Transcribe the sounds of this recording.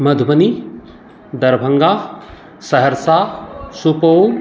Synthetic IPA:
mɐd̪ʱmɐni | d̪ɐɾbʱɐŋɡaː | sɐɦɐɾsaːsupow

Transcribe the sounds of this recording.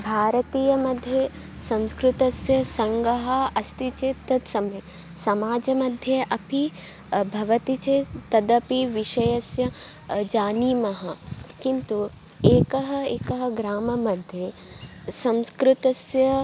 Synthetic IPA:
bʱaːɾɐt̪iːjɐmɐd̪ʱje | sɐ̃nskɾut̪ɐsjɐsɐŋɡɐɦɐɐst̪it͡ʃet̪ɐt̪sɐme | sɐmaːd͡ʒɐmɐd̪ʱjɐʔɐpi | bʱɐʋɐt̪it͡ʃet̪ɐd̪ɐpiʋiʃɐjɐsjɐ | d͡ʒaːniːmɐɦɐkint̪u | eːkɐɦɐeːkɐɦɐ̆ɡɾaːmɐmɐd̪ʱje | sɐ̃nskɾut̪ɐsjɐ

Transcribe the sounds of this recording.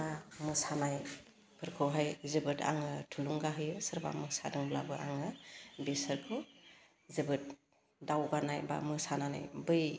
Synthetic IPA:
amɯsanaj | pʰɯɾkʰɯwɦajzɯbɯtʰa̰ŋɯtʰuluŋɡaɦɯjɯsɯɾba̰mɯsadɯŋblabɯaŋɯbesəɾkʰɯw | zebɯt̚ | dawɡanajba̰mɯsanana̰jbɯj

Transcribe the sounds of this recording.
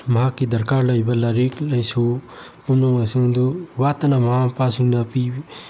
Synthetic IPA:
mɐɦakːid̪ɐɾkaɾlɐjbalaɾiklɐjsu | pumnɔŋajsiŋd̪uwat̪anamɦapasiŋnapi

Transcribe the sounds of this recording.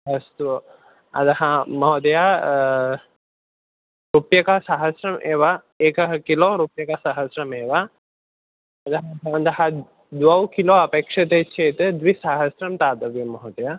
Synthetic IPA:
ɦɐst̪uɐ | ɐ̰d̪ɐɦɐmɐɦod̪ɐja | ɾupjɐkɐɦɐsaɦɐsɾɐmʔeːʋa | eːkɐɦɐkiloːɾupjɐkɐsaɦɐsɾɐmeːʋa | ɐd̪ɐɦɐɐɐnd̪ɐɦɐ | d̪ʋɐwkiloːɐpeːkʂɐt̪eːt͡ʃʰeːt̪ɨd̪ʋisaɦɐsɾɐmt̪aːd̪ɐʋɐmɐɦod̪ɐja

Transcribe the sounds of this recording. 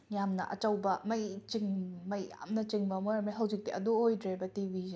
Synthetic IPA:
jamnɐ̰ʔɐ̰t͡ʃɐwbɐmɐjt͡ʃiŋmɐja̰mnɐt͡ʃiŋbɐmojɾamɐjɦɐwzik̚diʔɐdoojdɾebɐtibʱize

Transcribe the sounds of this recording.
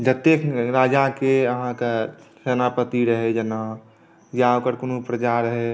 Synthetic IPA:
d͡ʒət̪ekʰɾaːd͡ʒakeəɦãkasenapət̪iɾəɦed͡ʒəna | jaokəɾkonupɾət͡ʃaɾəɦe

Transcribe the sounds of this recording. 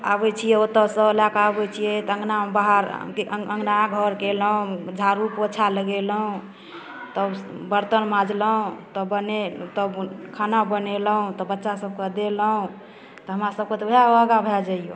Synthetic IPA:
a̰bɛt͡ʃʰijɛot̪ːəsəlakaːbɛt͡ʃʰijɛt̪ə̃ŋɡnabaɦəɾ̰kʔəŋɡnaɡʱɔɾkeləɦũd͡ʒʱaɾupot͡ʃʰaləɡeləɦũ | t̪əbəɾt̪ənmãd͡ʒləɦũt̪ɔbənet̪əbkʰanabəneləɦũt̪ɔbətːʃasəb̚ked̪eləɦũ | t̪ɔɦəmɾasəb̚ket̪ɔɦaəɡabʱɛd͡ʒaijo

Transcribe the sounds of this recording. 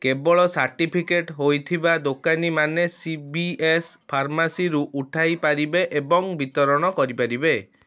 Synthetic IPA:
kebɔɭɔsaɾʈipʰikeʈɦojt̪ʰibad̪okanimanesibiespʰaɾmasiɾuʔuʈʰajpaɾibeʔebɔŋbit̪ɔɾɔɽ̃ɔkɔɾipaɾibe

